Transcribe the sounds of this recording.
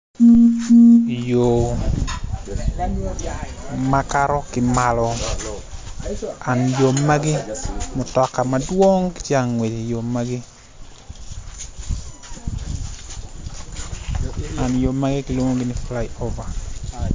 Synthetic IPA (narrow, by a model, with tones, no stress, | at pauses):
jo˨ | ma˦kaɾɔ˦kɪma˨lɔ˨ | a˨njo˨ma˦ɡɪ˦mʊ˨tɔ˨ka˨madwo˦ŋkt͡ʃa˦˨ŋːwe˨d͡ʒe˨jo˨ma˦ɡɪ˦ | a˨njo˨ma˦ɡɪ˦kɪlo˦ŋo˦ɡɪ˦nɪfla˦jo˦va˨